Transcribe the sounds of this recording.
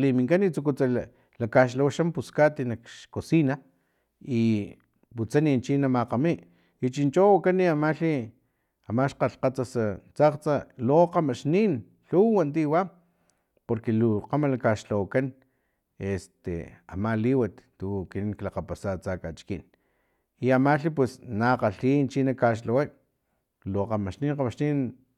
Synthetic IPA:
limiŋkanit͡sukut͡sa | lakaʃ̬lawaʃampuskat̪inakʃkosina | i | put͡sanint͡ʃinamaqamiʔ | jut͡ʃint͡ʃowakaniamaɬi | amaʃqaɬqat͡sasat͡saqt͡saloqamaʃnin | ɬuwant̪̬iwa | poɾkeluqamalakaʃlawakan | est̪ḛa̰maliwat̪t̪ukiniŋklaqapasat͡sakat͡ʃkin | iamaɬip̬wesnaqaɬiːnt͡ʃinakaʃ̬lawaj | loqamaʃniːnqamaʃnin

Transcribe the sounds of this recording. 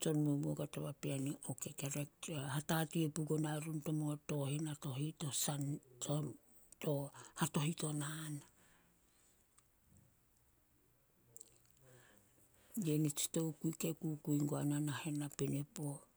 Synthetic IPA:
t͡ʃo̞nmoboɡatoβapeaniʔokekeɾekhatatiepuɡonaɾunto̞moto̞hinato̞hito̞santo | tohato̞hito̞nana | jenit͡ʃi̥to̞wkuikekukuiŋɡoananahe̞napenepo

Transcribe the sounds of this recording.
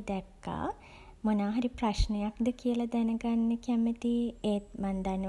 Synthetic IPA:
d̪ɛkːa̰ː | monaːɦɐɾipraʃnəjakd̪əkijəlɐd̪ɛnəɡanːəkɛmət̪ieːt̪mand̪anːə

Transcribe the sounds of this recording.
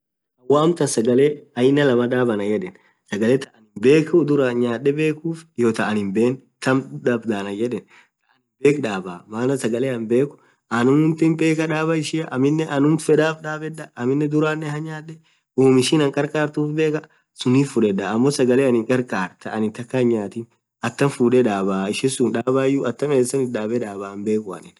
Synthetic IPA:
ɐwaːmt̪ɐnsɐɡɐleɐjɪnːɐlɐmɐᶑ̪aːbɐnɐd͡ʒɛᶑɛn | sɐɡɐlɛt̪ɐʔɐnɪmbe̞ːkʊd̪ʊɾaɲaːᶑːɛbe̞ːkuːfjoːt̪ɐʔɐnɪmbeːnt̪ɐmᶑaːbd̪aːnɐd͡ʒɛᶑɛn | t̪ɐʔɐnɪbeːkᶑaːbaːmaːnɐsɐɡɐleɐmbe̞ːkʊ̥ | ɐnʊmʊnt̪ɪmbe̞ːkɐᶑaːbɐɪʃɪɐʔɐmɪnːɛʔɐnʊmfɛd̪aːbᶑaːbɛᶑɐɐmɪnːɛd̪ʊɾaːnːɛhɐɲːaːᶑɛ | oːmɪʃiːnɐŋkʼɐɾkʼaːɾt̪uːfbe̞ːkɐ | sʊniːfʊᶑɛᶑaɐmːosɐɡɐleːɐnɪŋkʼɐɾkʼaːɾt̪ɐɐnɪnt̪ɐkːɐɲːaːt̪ɪn | ɐt̪ːɐnfuːᶑɛᶑaːbaːɪʃɪsʊnᶑaːbaːjʊɐt̪ːɐmeːsɐnɪᶑaːbɛᶑaːbaːɐmbe̞ːkʊɐ̰nɪn

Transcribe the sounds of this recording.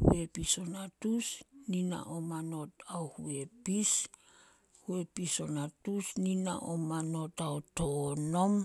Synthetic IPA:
hṵe̞piso̞natusnina̰ʔomano̞taohṵe̞pis | hue̞piso̞natusnina̰ʔomano̞taotono̞m

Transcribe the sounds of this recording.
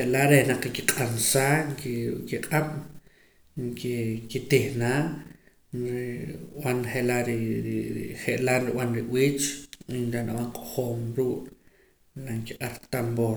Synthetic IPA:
eʔlaʔɾehnaq͡χkiqʼansaːŋkikiqʼaɓ̥ | ŋkikit̪ihnaːʔ | ɾiwanχeʔlaɾiɾχeʔlanɾiwanɾiwiːt͡ʃinɾanaɓaɴqʼo̥χoːmɾuːʔ | naŋkiqʼaɾt̪amboː

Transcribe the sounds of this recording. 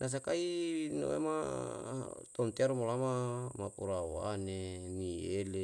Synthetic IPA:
nʔas̬akaino̰ḛma | t̪ont̪eaɾumolamamapuɾawanemiele

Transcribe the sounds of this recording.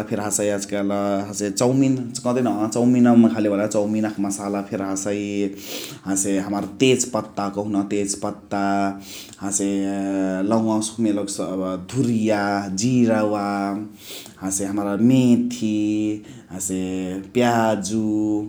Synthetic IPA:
pʰeɾɦasʌjad͡zkalɦaset͡sʌwmint͡skʌd̪ʌjnʌɦt͡sʌwminʌmakʰalebʱʌlt͡sʌwminakmʌsalapʰeɾɦasʌj | ɦãseɦamaɾt̪et͡spʌt̪ːakoɦunʌt̪et͡spʌt̪ːa | hãse | lʌw̃ãsu̥kʰmeloksd̪ʱuɾijad͡ziɾawa | hãseɦamɾamet̪ʰi | ɦãsepjad͡zu

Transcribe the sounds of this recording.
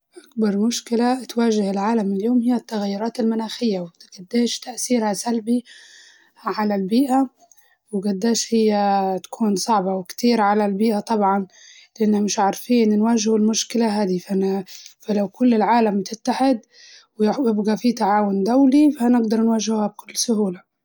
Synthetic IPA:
ʔakbɑɾˤmʊʃkɪlat̪waːʒɪhɪlʕaːlamɪljoːmhɪjːat̪ːaɣajːʊɾˤɑːt̪ɪlmʊnaːxɪjːawɡ̥ad̪ːeːʃt̪aʔθiːɾhasalbi | ʕalalbiːʔa | wɪɡad̪ːeːʃhɪjːat̪ḁkʰuːnsˤɑʕbɑwɪkt̪iːɾʕalalbiːʔat̪ˤɑbʕɑnlɪʔanːhamɪʃʕaɾˤfiːnnwaːʒɪhɪlmʊʃkɪlaɦaːd̪ifafalawkʊlːɪlʕaːlamt̪ɪt̪ːaħɪd̪ | wjjɪbɡafit̪aʕaːwʊnd̪awlifanɪɡd̪ɑɾˤnwaːʒɪhhab̚kʊlːsʊhuːla

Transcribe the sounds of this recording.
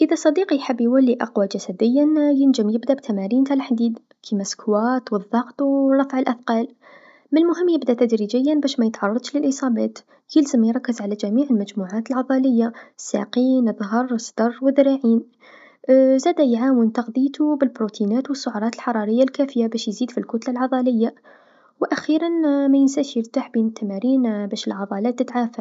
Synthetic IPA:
ʔəðæsˤːɑd̪iqjħəbːjwælːiʔɑqwad͡ʒæsæd̪əjːænjənd͡ʒəmjəbd̪æbt̪ʰæmæɾint̪ælħd̪iːd̪ | kʰimæskʰwæt̪wəðˤːɑqt̪wrˤɑfʕəlʔæfqɑl | məlmʊɦəmːjəbd̪æt̪æd̪ɾid͡ʒəjːænbæʃmæjət̪ʕɑrˤːɑd̪ˤʃləlʔəsˤɑbæt̪ | kiləzəmjɾˤɑkːəzʕalæd͡ʒæmiːʕəlmæd͡ʒmuʕat̪əlʕɑðˤɑləjːasːæ̰qiːnðˤɦəɾˤsd̪̥ɑrˤːwəðɾaʕiːn | zæd̪æjʕaːwənt̪ɑqd̪ˤit̪ubəlbɾut̪ʰinæːt̪wəsːʊʕɑɾˤɑt̪əlħɑɾˤɑɾəjːalkæfəjabæʃjziːd̪filkʊt̪lalʕɑd̪ˤɑləjːa | wʔæxiɾanmæjənsæʃjəɾt̪aħbinət̪ːæmæɾiːnbæʃəlʕɑd̪ˤɑlæt̪ːət̪ʕaːfa

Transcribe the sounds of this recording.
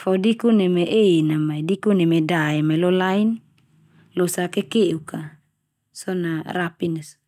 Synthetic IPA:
fodikunemeʔenamaidikunemedaɛmalolain | losakekeʔuka | sɔnarapinas

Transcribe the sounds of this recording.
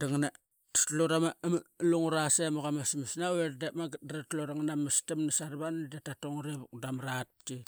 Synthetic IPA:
daŋna | tloɾamamluŋuɾasemaɣamasmisnaweɾdemaɡɾatloɾaŋnamastamnasaɾβandatatoŋɾeβuk̚damɾat̚ki

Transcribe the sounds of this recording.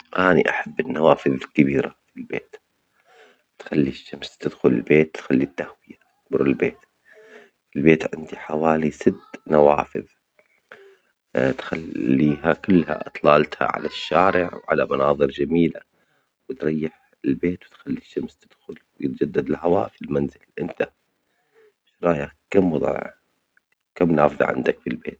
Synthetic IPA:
ʔanḭʔaħabːɪnːawaːfɪðɪlkabiːɾafilbḛːt̪ | t̪xalːiʃːamst̪ɪd̪xʊlɪlbeːt̪̚t̪xalːit̪ːahwɪja | k̚bʊɾɪlbeːt̪ | ɪlbeːt̪ʕɪ̰nd̪iħawaːlisɪt̪nawaːfɪ̰ð | t̪xalːiːɦakʊlːha̰ʔt̪ˤlɑːlt̪ha̰ʕa̰laʃːaːɾɪʕwʕa̰lamɑnɑːðˤɨɾd͡ʒamiːla | wɪt̪ɾˤɑjːɪħ | ɪlbeːt̪wɪt̪xalːiʃːamst̪ɪd̪̥xʊlwjɪt̪̚d͡ʒad̪ːad̪ɪlɦawa̰ːʔfilmanzɪlʔɪnt̪a | ʃɾˤɑːjakamwɑðˤʕʕ̰ | kamːnaːfðˤɑ̰ʕɪ̰nd̪akfilbḛːt̪̚

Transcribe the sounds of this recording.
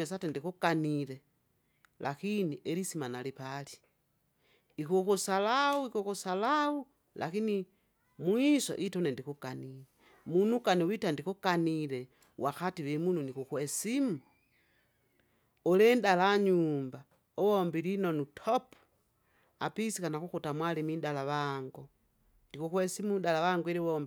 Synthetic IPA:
esatendikukaniɾe | lʔa̰kiniʔeɾisimanalipali̥ | ikukusalawuikukusalawu | lʔa̰kini | mwiso̰ʔitonendikukanile | munukaniwitandikukaniɾe | wʔaxatiβemununikukwesimu | oleːndalaɲuːmba | oβombilinonutʰopu̥ | a̰pisikanakuxutamwalimindalaβaŋɡo | ndikukwesimundalaβaŋɡiliβombi

